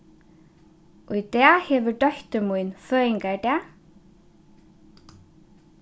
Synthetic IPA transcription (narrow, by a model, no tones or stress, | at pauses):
ujt̪ɛːhɛːvʏɾɖœçt̪ʏmujnfœːɪŋkaɹt̪ɛː